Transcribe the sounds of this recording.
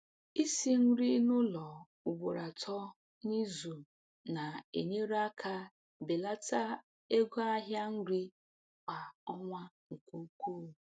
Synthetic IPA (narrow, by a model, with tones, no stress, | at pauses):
i˦si˦n̩˦ɾi˦nʊ˦lɔ˨ | ʊ˨ɡ͡bʊ˨ɾa˨tʰɔ˦ | ni˦zu˨ | na˨ḛ˨ɲe˦ɾa˦kʰa˦ | be˨la˦ta˦ | e˦ɡʷo˦a˦ɦja˦ŋ̩˦ɾi˦ | kʷa˨ɔ˦ŋʷa˦ | ŋ̩˨kʷu˦kʷu˦˨